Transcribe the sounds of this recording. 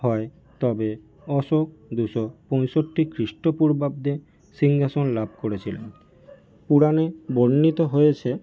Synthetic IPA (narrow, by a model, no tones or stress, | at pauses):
ɦɔe | t̪ɔbe | ɔʃok̚d̪uʃɔpɔjʃoʈːikɾiʃʈopuɾbab̚d̪e | siŋɡasonlab̚ʱkoɾet͡ɕʰilḛn | puɽanebonːit̪oɦojet͡ɕʰe